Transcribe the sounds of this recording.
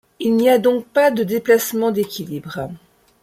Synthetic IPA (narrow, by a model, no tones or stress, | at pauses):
ilniad̪ɔ̃k̚pad̪əd̪eplasmɑ̃d̪ekʲilibʁ